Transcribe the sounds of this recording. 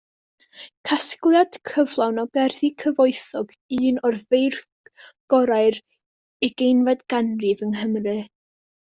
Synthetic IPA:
kʰasɡlˠjad̥kʰəvlˠawnɔɡɛrðikʰəvoɨθɔɡɨːnɔrvejr | ɡ̥ɔɾaɨɾ | iɡ̥ejnvɛdɡ̥anrɨvəŋɦəmrɨ

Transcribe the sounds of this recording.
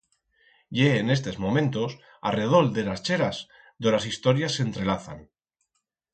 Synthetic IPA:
jeːne̞s̬t̪e̞zmo̞mẽ̞nt̪o̞s | a̰re̞ð̞o̞ld̪e̞last͡ʃe̞ɾas | d̪olasist̪o̞ɾjasːe̞nt̪ɾe̞laθa̰n

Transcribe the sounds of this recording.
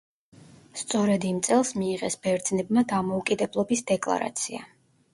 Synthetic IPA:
st̪sʼɔɾɛd̪imt̪sʼɛlˠsmiːʁɛsb̥ɛɾd̪znɛbmad̪amɔukʼid̪ɛblˠɔbisd̪ɛkʼlˠa̰ɾa̰t̪sʰia

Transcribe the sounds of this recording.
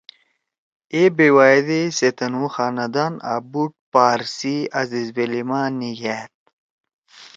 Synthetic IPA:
ebewad̪eset̪ɐnuxaːnɐd̪ana̰buʈ̚paːɾsiɐzizbelimaːniɡɛːt̪̚

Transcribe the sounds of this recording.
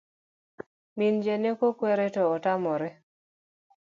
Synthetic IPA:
mind͡ʒenekokwɛɾɛtɔːtamɔɾɛ

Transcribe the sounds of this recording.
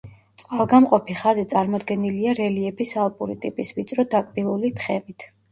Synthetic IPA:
t̪sʼqʼalˠɡamqʼɔpʰiχazit̪sʼaɾmɔd̪ɡɛniliaɾɛliɛpisalˠpʼuɾit̪ʼipʼisvit̪t͡ʃ̪ʼɾɔd̪akʼbilˠulit̪ʰχɛmit̪ʰ

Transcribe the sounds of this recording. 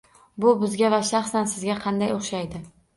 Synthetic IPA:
bʊbɪzɡʲavaʃɑχsansɪzɡʲaqʰɑnd̪ajoχʃajd̪ɪ

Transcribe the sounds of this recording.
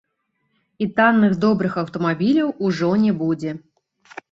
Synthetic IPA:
it̪anːɨxd̪obɾɨxɐwt̪omabʲilʲowʔuʐonʲebudʲe

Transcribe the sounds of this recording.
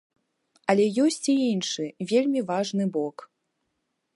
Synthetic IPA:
ɐlʲɛjɔsʲt͡sʲiinʂɨvʲelʲmʲivaʐnɨbɔk

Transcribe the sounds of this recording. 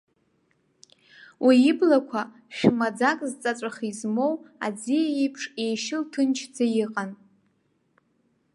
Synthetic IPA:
wʔiːblakʷʰa | ʃᶣmad͡zakʼzt͡sʼat͡sʷʼaχizmo̞wa̰d͡zijajipʰʂe̞jʃɪltʰɨnt͡ʃʰd͡zajiqʼan

